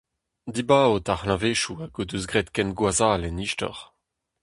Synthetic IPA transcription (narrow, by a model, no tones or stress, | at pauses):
d̪ibaːotaʁlãveːʃuaɡoduzɡʁetkɛnɡwazaːlɛniʃtɔ̰ʁ